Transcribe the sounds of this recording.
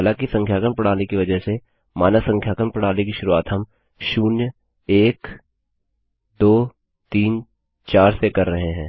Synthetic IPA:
lãkisɐ̃ŋkʰjaːkəmpɐɽ̤̃aːnekiʋɐd͡ʒəɦse | maːnasɐ̃ŋkʰjaːkəɾmpɐɽ̃aːnekiʃʊɾuaːt̪ɦɐm | ʃuːnjə | eːk | d̪oː | t̪iːn | t͡ʃaːɾsekɐɾːɐɦeɦɛ̃ː

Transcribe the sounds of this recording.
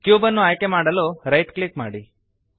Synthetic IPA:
kjuːbənːuaːjkemaːɽɐloɾɐjʈklikma̰ːɽi

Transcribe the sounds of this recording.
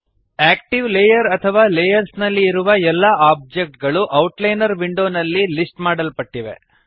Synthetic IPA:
æːkʈiʋlejɐɾɐt̪ʰɐʋaːlejɐɾsnɐlːiːɾuʋɐɛlːaːaːb̚d͡ʒek̚ʈ̚ɡɐɭuʔɐwʈlɐjnɐɾʋiɳɖo̞ːnɐlːilisʈmaːɽɐlpɐʈːiʋe̞̰

